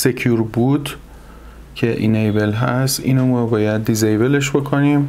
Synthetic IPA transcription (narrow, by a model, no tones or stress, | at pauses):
secʰjuɾbud̪ | cʰe̞ʔḭnejbelɦæst̪ʔḭːnombɒːjæd̪ːizejbe̞leʃbo̞kʰoniːm